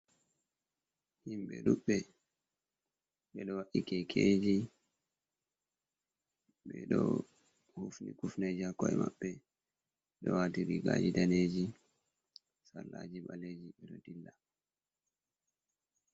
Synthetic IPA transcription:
himɓɛɗuɓːɛ | ɓɛɗɔwaʔikɛkʰeːd͡ʒi | ɓɛɗɔ | hufnikufned͡ʒihakːɔɛmaɓːɛ | ɗɔwatiɾiɡad͡ʒidaneːd͡ʒi | salːad͡ʒiɓaled͡ʒiɓɛɗɔdilːa

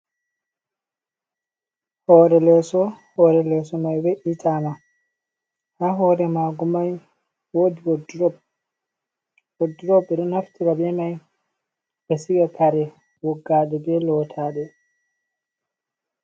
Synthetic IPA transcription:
hɔːɾɛlɛsɔhɔɾɛlɛsɔmajwɛʔitʰaːma | haɦɔːɾɛmaɡumaj | wodiwɔdɾɔb | ɔdɾɔbɛɗɔnhaftikabɛmaj | bɛsiɡakʰaɾɛ | wɔɡːaɗɛbɛlɔːtʰaɗɛ

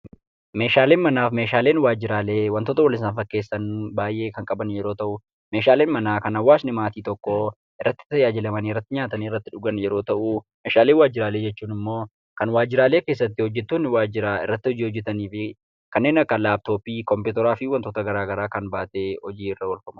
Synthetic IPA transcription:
me̞ːʃaːle̞ːnmɐnaːfme̞ːʃaːle̞ːnwaːd͡ʒɪɾaːle̞ːwɐnt̪oːt̪ɐwɐlɪnsaːnfɐkːe̞ːsːɐnbaːjʔe̞ːkɐŋkʼɐbɐnjɛɾoːt̪ɐʔʊ | meːʃaːle̞ːnmɐnaːkɐnɐwːaːsnɪmaːt̪iːt̪ɔkːo | ʔɪrːɐt̪ːɪ̥t̪ɐjaːd͡ʒɪlɐmɐnɪrːɐt̪ːɪɲaːt̪ɐnɪrːɐt̪ːɪᶑʊɡɐnjɛɾo̞ːt̪ɐʔuʊ | meːʃaːle̞ːnwaːd͡ʒːɪɾaːleːd͡ʒɛt͡ʃːuːnɪmːo̞ː | kɐnwaːd͡ʒːɪɾaːleːke̞ːs̬ːɐt̪ːɪhɔd͡ʒːɛt̪ːuːnɪwaːd͡ʒɪɾɐɪ̰rːɐt̪ːɪhɔd͡ʒiːhɔd͡ʒːɛt̪ɐniːfɪ | kɐnːe̞ːnɐkːɐlaːb̚t̪o̞ːpiːkɔmpuːt̪ɛɾaːfɪwɐnt̪oːt̪ɐɡɐɾaːɡɐɾaːkɐnbaːt̪e̞ːhɔd͡ʒiːɪrɐwɐlfɐmɐ

